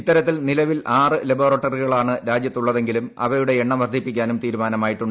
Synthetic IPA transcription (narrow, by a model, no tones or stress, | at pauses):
it̪ːɐɾɐt̪ːilnilɐʋilʔaːrɨlɐboːrɐʈːɐriɣɐɭaːɳɨɾaːd͡ʑjɐt̪ːuɭːɐðe̞ŋɡilumɐ̰ʋɐɾuɽe̞eɳːɐmʋɐrd̪ʱipːikʲːaːnumt̪iːɾumaːnɐmaːjiʈːuɳɖ